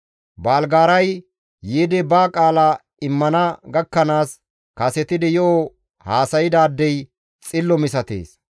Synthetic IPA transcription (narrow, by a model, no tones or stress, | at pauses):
baːlɡaːɾɐj | jeːd̪ɛbaːkʼaːla | ɪmːɐnɐɡɐkːɐnaːs | kɐsɛt̪ɪd̪ɛjɔo | haːsɐjɪd̪aːd̪ːɛj | t͡sʼɪlːɔmɪs̬ɐt̪ḛːs